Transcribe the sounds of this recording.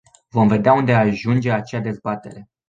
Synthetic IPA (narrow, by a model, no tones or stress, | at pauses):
vo̞mve̞d̪eaund̪e̞aʒund͡ʒe̞at͡ʃead̪e̞zbat̪e̞̰ɾe̞